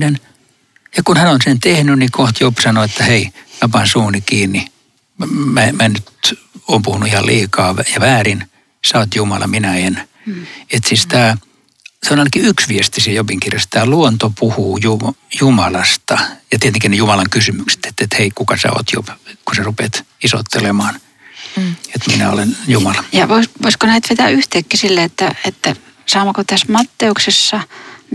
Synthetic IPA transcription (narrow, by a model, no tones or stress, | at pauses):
nen | jɑkunhænonsent̪ehnynnikoht̪jopsɑnoet̪ːæheimæpɑnsuːnikiːnːi | mæmænyt̪ | oːmpuhunuihɑlḭːkɑːʋjɑʋæːrin | sɑot̪jumɑlɑ̰minæen | et̪sist̪æː | seonɑinɑkiyksʋiest̪isiejopiŋkirjɑst̪æːluont̪opuhuːjujumɑlɑst̪ɑjɑt̪iet̪eŋkinejumɑlɑŋkysymykse̥t̪e̥t̪ːet̪heikukɑsæ̰o̰t̪jo̰pkuserupet̪iso̰t̪ːelemɑːn | et̪minæ̰o̰lenjumɑlɑjɑʋoisʋoiskonæit̪ʋet̪æyht̪ekːisilːeet̪ːæet̪ːæ | sɑːmɑkot̪æsmɑt̪ːeuksesːɑ